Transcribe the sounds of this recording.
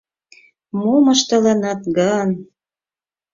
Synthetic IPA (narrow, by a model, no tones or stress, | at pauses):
momɤʃt̪ɤ̆lɑnɑt̪ɡɑn